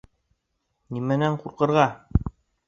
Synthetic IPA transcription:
nimænæɴquɾqɤ̆ɾʁɑ

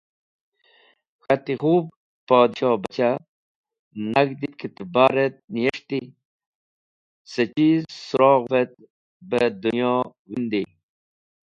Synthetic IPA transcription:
xat̪ixuːb | pɔːd̪ɕɑːbɐt͡ɕa | naɡd̪it̪̚kʰit̪baɾet̪̚nijeʂt̪i | sət͡ɕizsuɾɔːɣvet̪̚ | bəd̪unjɔː | wind̪i

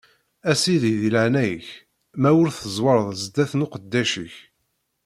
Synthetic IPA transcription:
æsiðiðiləʕnæjəç | mæwʊɾθəzˤwɑɾˤəðˤzəd̪æθnʊqəd̪ːæʃiç

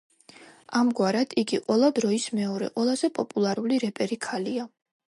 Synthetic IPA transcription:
amɡwaɾad̪̥iɡiqʼwɛlˠad̪ɾɔismɛɔɾɛ̰qʼɔlˠazɛpʼɔpʼulˠaɾuliɾɛpʼɛɾikʰalia

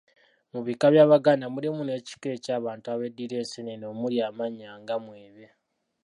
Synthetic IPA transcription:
muβikaβjaːβaɡanamulimune̞ːci̥ke̞ːcaːβaːntuaβe̞dːiɾe̞ːseneno̞ːmuljaːmaɲaːŋɡamwiːβe

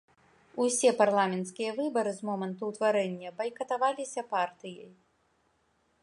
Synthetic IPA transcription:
usʲɛparlˠamʲɛnt̪skʲijɐvɨbɐɾɨzmɔmɐnt̪uwt̪vaɾɛnʲːɐbɐjkɐt̪avalʲisʲɐpart̪ɨjɐj

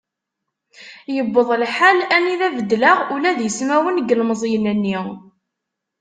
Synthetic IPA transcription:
jəbːəðˤlħalæniðævəd̪ːlaʁulæðjəsmæwənɡəlmzˤjnænːi

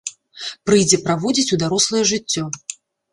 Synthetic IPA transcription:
pɾɨjd͡zʲɛpɾavɔd͡zʲit͡sʲud̪aɾɔslˠɐjɛʐɨt͡sʲːɔ

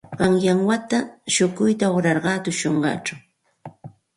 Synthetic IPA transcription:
ɢɑŋjaŋwat̪aʃʊkʊjt̪aʊɾɑɾɢɑːt̪ʊʃoɴɢɑ̰t͡ʃaw

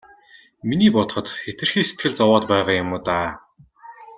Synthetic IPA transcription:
miniːpɔt̪̆χɞ̆t̪xet̪ɘ̆rxiːset̪̚ɡɘ̆ɮt͡sɔwɔːt̪pæɛʁaːjʊmʊːt̪aː

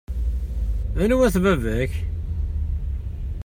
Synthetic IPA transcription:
æjnuwæθvævæç

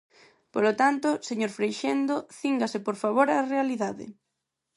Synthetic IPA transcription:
polot̪ant̪ʊseɲoɾfɾejʃend̪oθiŋɡasɪpoɾfaβoɾarealiðaðɪ̰

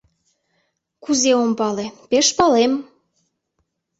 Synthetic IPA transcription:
kuzeompɑlepeʃpɑlem

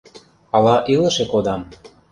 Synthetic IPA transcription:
ɑlɑʔilə̆ʃekod̪ɑm

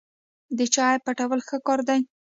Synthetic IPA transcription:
d̪ət͡ʃɑjpaʈawəlxəkɑɾd̪aj

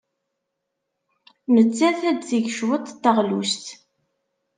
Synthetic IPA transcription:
nət͡sːæθæd̪t͡siʝʃwət̪ˤt̪ːəʁlṵst̪

